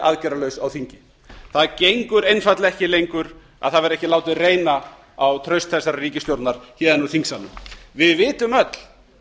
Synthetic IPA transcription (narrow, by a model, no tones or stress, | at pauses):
ʔa̰ðcɛɾalœɥsawθiɲcɪ | θaðcejŋkʏɾejnfat̪laɛhcɪlejŋkʏɾ | a̰ðθaðvɛɾɛhcɪlaːwt̪ɪreːjna | awt̪ʰɾœɥst̪θɛsːaɾariːcɪst̪jowɾt̪naɾ̥çɛːðanuθiŋksanːʏmvɪðvɪːt̪ʏmœt̪l̥